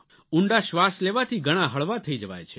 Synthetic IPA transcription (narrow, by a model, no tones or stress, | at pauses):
uɳɖaʃʋasleʋat̪ʰiɡʱəɽ̃ãɦəɭʋat̪ʰəid͡ʒəʋa̰jt͡ʃʰe